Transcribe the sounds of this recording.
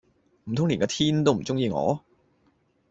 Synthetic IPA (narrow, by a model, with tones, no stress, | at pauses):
m̩˨˩t̪ʰʊ˥ŋliː˨˩nkɔː˧t̪ʰiː˥nt̪o˥wm̩˨˩t͡sʊ˥ŋjiː˧ŋɔ̰ː˨˧